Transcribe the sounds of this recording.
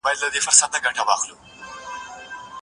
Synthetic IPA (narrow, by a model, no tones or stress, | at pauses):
bajlːad̪efʊɾsat̪̚ːaɡaʈawɑxlu